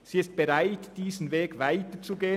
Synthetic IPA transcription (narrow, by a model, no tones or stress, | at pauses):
z̥iːɪst̚b̥eʁaɪtd̥iːzn̩veːɡvaɪtət͡suɡeːə